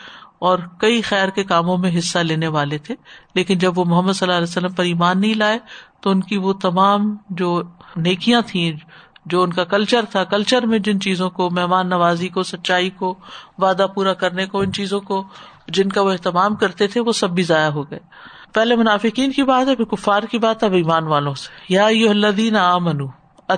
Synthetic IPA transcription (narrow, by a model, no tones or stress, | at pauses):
ɔːɾkɐixɛːɾkekaːmõmẽɦɪsːaleːneʋaːlet̪ʰeleːkɪnd͡ʒɐbʋomʊɦəmːəd̪sɐlːalɛːsɐlːəmpɐɾiːmaːnːɐɦĩlaːet̪oʊnkiʋot̪ɐmaːmd͡ʒoːneːkijãt̪ʰĩd͡ʒoːʊnkakɐlt͡ʃəɾt̪ʰakɐlt͡ʃəɾmẽd͡ʒɪnt͡ʃiːzõkomɛɦmaːnːɐʋaːzikosɐtːʃaːikoʋaːd̪apuːɾakɐɾnekoɪnt͡ʃiːzõko | d͡ʒɪnkaʋoɛɦt̪ɪmaːmkɐɾt̪et̪ʰeʋosɐbːizaːjaɦoɡɐeː | pɛɦlemʊnaːfɪkiːnkibaːt̪ɦɛpʰɪɾkʊfːaːɾkibaːt̪ɦɛoiːmaːnʋaːlõse̥jaːɐjːʊɦɐlːɐðiːnaaːmɐnuː